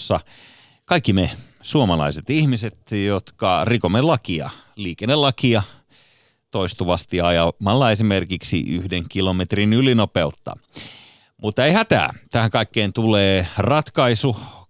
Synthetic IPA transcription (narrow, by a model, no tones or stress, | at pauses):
sːɑ | kɑikːime | suomɑlɑ̰iset̪ihmiset̪jot̪kɑrikomelɑkiɑ̰liːkenːelɑkiɑ | t̪oist̪uʋɑst̪iɑjɑmɑlːɑesimerkiksḭʔyhdeŋkilomet̪rinylinopeut̪ːɑ̰ | mut̪ːeihæt̪æ̰ːt̪æhæŋkɑikːeːnt̪uleːrɑt̪kɑisu